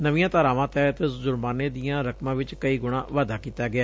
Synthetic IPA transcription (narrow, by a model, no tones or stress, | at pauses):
nəʋijãːt̪aːɾaːʋãːt̪ɛːt̪ezʊɾbaːneːd̪ijãːɾəkmãːʋɪt͡ʃkəiːɡʊɽ̃ãːʋaːd̪aːkiːt̪aːɡɪaː